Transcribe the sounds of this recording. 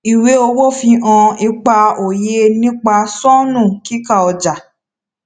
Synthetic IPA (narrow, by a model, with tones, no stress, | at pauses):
i˨we˨˦o˧wo˦fĩ˧ʔã˧i˧k͡pa˧o˨je˧˦nĩ˦k͡pa˧sɔ˦nũ˦˨ki˦ka˦˨ɔ˧d͡ʒa˨